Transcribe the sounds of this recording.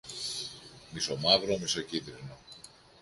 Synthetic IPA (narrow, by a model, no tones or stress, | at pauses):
miso̞mɐvɾomisocind̪ɾino